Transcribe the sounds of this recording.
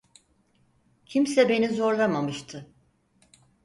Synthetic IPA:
cʰimsɛbe̞nizo̞ɾlˠamamɯʃt̪ʰɯ

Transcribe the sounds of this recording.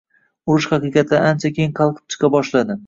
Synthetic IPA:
ʊɾɪʃχɑqɨqɑt̪ʰːaant͡ʃʰakʲʰejɪŋqʰɑlˠqʰɨ̥p̚t͡ʃʰɨ̥qʰɑbɒʃlad̪ɪ

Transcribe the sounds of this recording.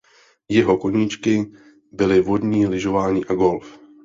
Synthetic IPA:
jɛɦo̞koɲiːt͡ʃkɪ | bɪlɪvo̞dɲiːlɪʒo̞vaːɲiːʔaɡo̞lf

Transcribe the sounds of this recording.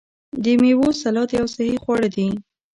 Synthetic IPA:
d̪əmewosalɑt̪jawsahixwɑɽad̪i

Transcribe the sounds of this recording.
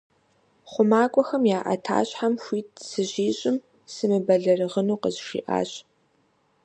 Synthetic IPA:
χʷʊmaːkʷʼɔxɐmjaːʔɐ̰tʰa̰ːɕʼħamxʷiːtʰsɨʑiːɕʼɪm | sɨmɨbɐɮɐrɨʁənuːqəzʃḭːʔa̰ːɕʼ

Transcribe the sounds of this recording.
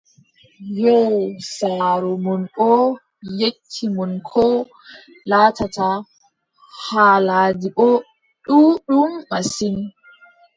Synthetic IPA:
jɔsaːɾɔmɔnɓɔ | jet͡ʃʰːimɔnkʰɔ | laːtata | haːlaːdiʔɔ | ɗuːɗumːasin

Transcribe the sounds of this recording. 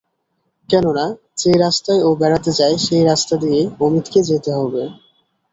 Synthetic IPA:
kɛnona | d͡ʑeɾast̪aeobɛɾat̪ed͡ʑaeʃejɾast̪ad̪ijeomit̪ked͡ʑet̪eɦɔbe

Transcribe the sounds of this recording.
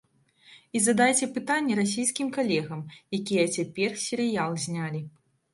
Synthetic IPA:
izɐd̪ajt͡sʲɛpɨt̪anʲːɛɾas̬ʲijskʲimkalʲɛɣɐmjakʲijɛt͡sʲapʲɛrsʲɛɾɨjalˠzʲnʲalʲi

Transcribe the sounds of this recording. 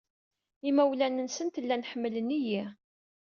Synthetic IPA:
imæwlænənsənt̪lːænħəmːələniji

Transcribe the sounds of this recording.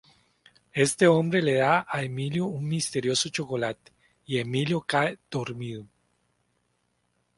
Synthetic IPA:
e̞st̪eo̞mbɾeleðaaemiljouŋmist̪e̞ɾjo̞sot͡ʃokolat̪e̥ | ie̞miljokaed̪̥oɾmiðo

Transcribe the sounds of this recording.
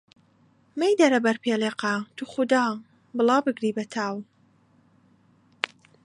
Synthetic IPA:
mejd̪ɐɾɐbɐɾpʰeːleːqat̪ʰuxʊd̪ɑː | bɨlˠɑːbɨɡɾiːbɐt̪ʰaːw

